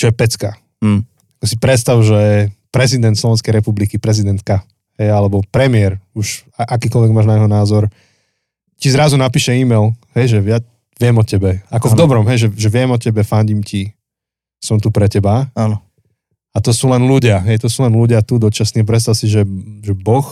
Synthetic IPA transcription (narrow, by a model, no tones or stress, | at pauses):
t͡ʃɔjɛpɛt͡ska | akɔsipɾɛt̪st̪aʊʒɛpɾɛzid̪ɛnt̪slɔʋɛnskɛjɾɛpublikipɾɛzid̪ɛnt̪̚ka | hɛjalɛbɔpɾɛmɪɛɾuʃaʔakiːkɔlʋɛɡmaːʒnaɲɛɦɔnaːzɔɾ | cizɾazunapiːʃɛiːmɛjlɦɛjʒɛʋja | ʋɪɛmɔcɛbɛakɔvd̪ɔbɾɔmɦɛjʒɛʒɛʋɪɛmɔcɛbɛfaɲɟimci | sɔmt̪upɾɛcɛbaanɔ | at̪ɔsuːlɛnluɟɪaɦɛjt̪ɔsuːlɛnluɟɪat̪ud̪ɔt͡ʃasniːap̬ɾɛt̪s̬t̪aʊsiʒɛʒɛbɔx